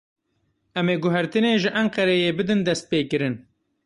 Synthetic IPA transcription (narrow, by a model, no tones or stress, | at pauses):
ʔɛmeːɡʊɦæɾt̪ɨneːʒɨʔæɴqɛɾejeːbɨd̪ɨnd̪ɛst̪̚peːkɨɾɨn